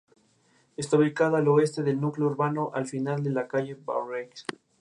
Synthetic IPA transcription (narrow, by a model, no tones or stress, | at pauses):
est̪auβikaðoaloe̞st̪e̞ðe̞lnukleouɾβano̞ʔalfinald̪e̞lakaʝe̞ba̰wreks